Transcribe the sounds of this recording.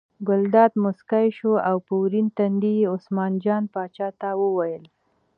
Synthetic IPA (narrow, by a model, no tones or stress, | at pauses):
ɡʊld̪ɑd̪mʊskajʃoawpuwɾint̪and̪ijeʊsmɑnd͡ʒɑnpɑt͡ʃɑt̪awəwajəl